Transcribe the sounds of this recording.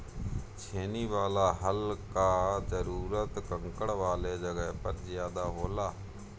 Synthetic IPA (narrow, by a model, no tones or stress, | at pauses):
t͡ʃʰeːniːʋaːlaːɦəlkaːzəɾuːɾət̪kəŋkəɽʋaːleːd͡ʒəɡəɦpəɾzjaːd̪aːɦoːlaː